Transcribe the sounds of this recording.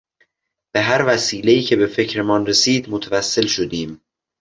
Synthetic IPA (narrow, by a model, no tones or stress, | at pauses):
b̥e̞ɦæɾvæsiːle̞iːcʰe̞be̞fe̞cʰɾe̞mɒːnɾesiːd̪mot̪ʰævæsːe̞lʃod̪iːm